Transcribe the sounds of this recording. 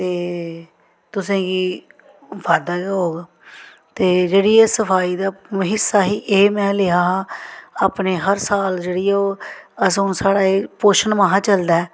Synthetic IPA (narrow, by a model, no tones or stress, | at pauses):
t̪eː | t̪ʊsẽːɡiː | ʋaːɾd̪aːɡaːɦoːɡː | t̪eːd͡ʒeːɽiːeːsəpʰaːiːd̪aːməɦɪsːaːɦiːʔeːmɛ̃ːleãːɦãːaːpneːɦəɾsaːld͡ʒeːɽiːɛoːəsõːsaːɽaːepoːʃənmãːɦãːt͡ʃəld̪aːɛː